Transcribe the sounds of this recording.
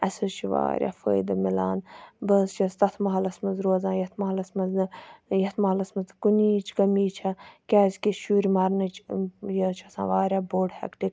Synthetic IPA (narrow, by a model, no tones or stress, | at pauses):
ɐsut͡ʃʰiʋa̰ːɾʲja̰ːfə̰ːjd̪ɐmila̰ːnbɐst͡ʃʰɐst̪ɐt̪ʰmɐɦɐlɐsmɐzɾoːzãːjɐt̪ʰmɐɦɐlɐsmɐzjɐt̪ʰmɐɦɐlɐsmɐzkuniːt͡ʃʰkɐmiːt͡ʃʰɐkʲaːzʲkiʃuːɾʲimɐɾnɨt͡ʃʰjət͡ʃʰɐsã̰ːʋaːɾʲaːboːɖhɐ̰kʈik